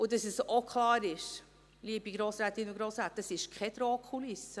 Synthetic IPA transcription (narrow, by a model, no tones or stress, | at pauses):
udɑsɛsokχlɑːɾɪʃ | liəbiɡɾoːsɾaːtɪnʊɡɾoːsɾaːt̚dɑsɪʃkʰɛd̥̪ɾoːkʰχulɪsə